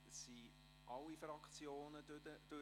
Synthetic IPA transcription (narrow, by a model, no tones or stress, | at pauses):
si | ʔɑlːifɾɑkt͡sjoːnəəd̥ø